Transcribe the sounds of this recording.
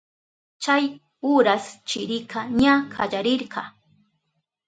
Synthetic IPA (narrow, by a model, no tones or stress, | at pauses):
t͡ʃaj | ʊɾast͡ʃɪɾɪkʰaɲakʰaʎaɾɪɾɢɑ